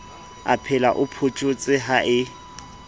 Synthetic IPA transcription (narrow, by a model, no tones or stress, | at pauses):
a̰pʰɪla̰ʔʊpʰʊt͡ʃʼʊt͡sʼɪɦaʔɪ